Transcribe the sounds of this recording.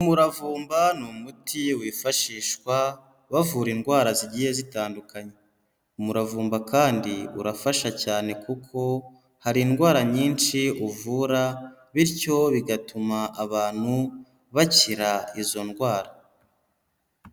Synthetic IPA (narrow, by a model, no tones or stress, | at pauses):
umuɾavuːmbanumutʰiwiːfaʃiːʃkwa | βavuːɾinɡwaːɾaziɟiːhe̞zitaːndukaɲe | umuɾavuːmbakaːndiṵɾafaʃacaːne̞kukʰo̞ | haɾiːnɡwaːɾaɲiːnʃiuvuɾa | βiɾco̞βiɡatumaʔːβaːn̥hu | βaciɾaizo̞nɡwaːɾa